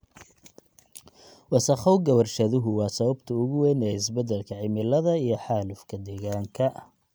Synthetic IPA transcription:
wɑsɐχɔwɡɐwɐrʃɐðʊɦʊwɑːsɐβɐbt̪ʰɐʊɣʊwɛnɛːɪsbɐd̪ɛlkʰɐʕɪmɪlɐðɐijɞħɑːlʊfkʰɐd̪ɛːɣaːŋkʰɐ

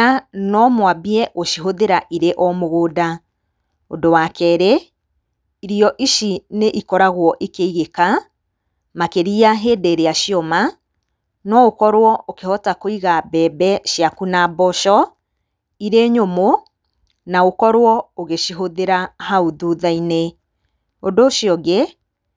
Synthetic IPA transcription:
anɔmwabiɛʔoʃiɦoðeɾaʔiɾeʔɔmoɣoːda | ondowakɛɾe | iɾiɔʔiʃineʔikɔɾaɣwɔʔikeiɣeka | makeɾiaɦeːdeɾeaʃiɔma | nɔokɔɾwɔokehɔtakoiɣabɛːbɛʃjakunabɔʃɔ | iɾeɲomo | naokɔɾwɔoɣeʃiɦoðeɾahauðuðaine | ondoʃjɔɡe

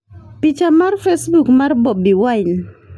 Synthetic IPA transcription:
pit͡ʃamarfesbukmarbɔbiwain

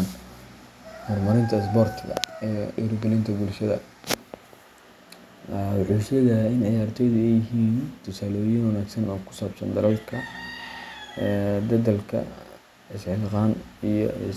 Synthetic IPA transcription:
n | mɔrmɐɾɪnt̪ʰɐɪs̬bɔrt̪ʰɡɐ̰ɛːʔɪ̰ɾʊɡɛlɪnt̪ʰɐbʊlʃɐðɐ̰ | ʕusjɐðɐɪnjaːrt̪ʰɔjðʊɛjɪɦiːnt̪ʰʊsaːlɔːjɪnwɐnaːɡsɐnɔːkʰʊ̥saːbsɐ̰nd̪ɐlɐlkʰɐ | d̪ɐðɐlkʰɐ̰ | ɪsʕɪlqɑːnijɔ̰

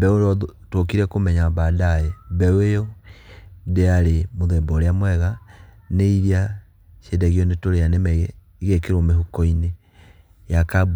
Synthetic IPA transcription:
bɛoɾɔtokiɾɛkomɛɲabaːdaɛbɛwejɔ | deaɾemoðɛbɔɾeamwɛɣa | neiɾia | ʃedɛɣiɔnetoɾeanemɛɣɛ | iɣekeɾomeɦokɔine | jakabu

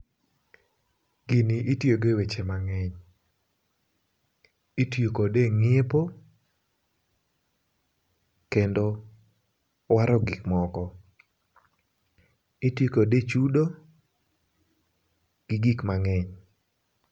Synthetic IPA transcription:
ɡ̥iniʔitjoɡewet͡ʃemaŋɛɲ | itjokodeŋɪepo | kendo | waɾɔɡikmɔkɔ | itjekodet͡ʃudo | ɡ̥ɪɡikmaŋɛɲ

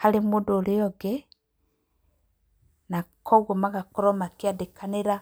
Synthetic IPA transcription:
halemodoleɔɡɛ | nakʰɔɣɔmaɣakuɾɔmakeadekʰaneɾa

